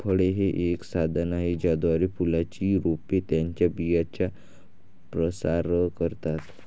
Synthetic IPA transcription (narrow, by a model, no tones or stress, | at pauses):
fʰəɽeɦeʔeksad̪ʱənaɦid͡ʑad̪ʋaɾipulat͡ɕiɾopet̪jaɲt͡ɕjabijat͡ɕja | pɾəsaɾəkəɾt̪at̪